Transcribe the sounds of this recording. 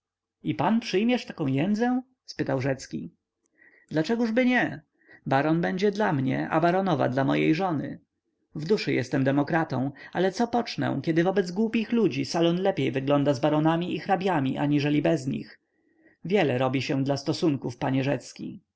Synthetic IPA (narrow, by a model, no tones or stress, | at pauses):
ipanpʂɘjmʲjɛʂt̪akɔ̃w̃jɛnd̪zɛ̃ | spɘt̪awʐɛt̪skʲi | d̪lat͡ʂɛɡuʐbɘɲɛ | baɾɔnbɛɲd͡ʑɛd̪lamɲɛ̰ʔa̰baɾɔnɔva̰d̪lamɔ̰jḛjʐɔnɘ̰ | vd̪uʂɘjɛst̪ɛmd̪ɛmɔkɾat̪ɔ̰̃w̃alɛt̪sɔpɔt͡ʂnɛ̰̃kʲɛd̪ɘvɔbɛd̪zɡwupʲixlud͡ʑisalɔnlɛpʲjejvɘɡlɔnd̪azbaɾɔnamʲiʔixɾabʲjamʲiʔa̰ɲiʐɛlʲibɛzɲḭx | vʲjɛlɛɾɔbʲiɕɛ̃d̪last̪ɔsuŋkufpaɲɛʐɛt̪skʲḭ